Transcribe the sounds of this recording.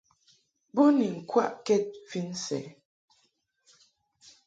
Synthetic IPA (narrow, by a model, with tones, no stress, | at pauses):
bo˦ni˨ŋ̩˨kwa̰˦ʔkɛ˦˨t̚fi˦n˦sɛ̰˨˦